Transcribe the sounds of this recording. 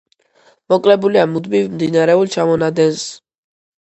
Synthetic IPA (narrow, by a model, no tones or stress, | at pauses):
mɔkʼlɛbuliamud̪mivmd̪inaɾɛulˠt͡ʃʰamɔnad̪ɛns